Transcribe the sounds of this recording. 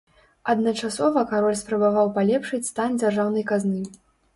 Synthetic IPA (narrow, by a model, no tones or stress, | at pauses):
ɐd̪nɐt͡ʂasɔvɐkaɾɔlʲspɾɐbavawpalʲɛpʂɨt͡sʲst̪and͡zʲarʐawnɐjkaznɨ